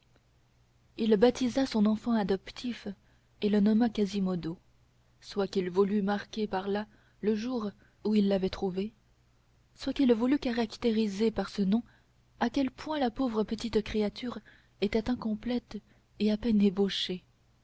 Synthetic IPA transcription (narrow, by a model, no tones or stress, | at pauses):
ilbat̪izasɔ̃nɑ̃fɑ̃ad̪ɔpt̪ʰif | elənɔmakazimɔd̪o | swakilvulymaʁkʲepaʁla | ləʒuːʁ | uilːavɛt̪χuve | swakilvulykaʁakt̪eʁizepaʁsənɔ̃ | akʲɛlpwɛ̃lapovʁəpət̪it̪kχeat̪yːʁ | et̪ɛt̪ɛ̃kɔ̃plɛt̪ | eapɛneboʃe